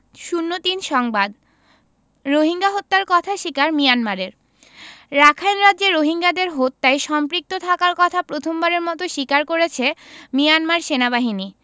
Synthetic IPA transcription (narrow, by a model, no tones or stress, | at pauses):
ʃunːot̪inʃɔŋbad̪ | ɾoɦiŋɡaɦot̪ːaɾkɔt̪ʰaʃikaɾmijanmaɾeɾ | ɾakʰajnɾadd͡ʑeɾoɦiŋɡad̪eɾɦot̪ːajʃɔmpɾik̚t̪ot̪ʰakaɾkɔt̪ʰapɾot̪ʰombaɾeɾmɔt̪oʃikaɾkoɾet͡ɕʰemijanmaɾʃenabaɦini